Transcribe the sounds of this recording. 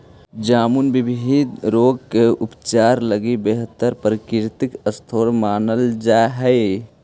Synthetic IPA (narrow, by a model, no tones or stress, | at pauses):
d͡ʒaːmunbɪbʱid̪ɾoːɡkeʊpt͡ʃaːɾləɡibeɦət̪ːəɾpɾəkɪɾt̪ikəst̪ʰoːɾmaːnəld͡ʒaːɦɛɪ